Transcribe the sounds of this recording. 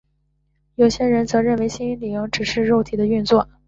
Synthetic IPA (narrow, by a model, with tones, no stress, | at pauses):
jo˨˩ʊɕjɛ˥ɻə˧˥nt͡sɤ˧˥ɻə˥˩nwe˧˥ɪɕi˥ni˥nli˧˥ŋʈ͡ʂɻ̩˨˩ʂɻ̩˥˧ɻo˥˩ʊt̪ʰi˨˩d̪ə˦y˥˧nt͡swɔ˥˩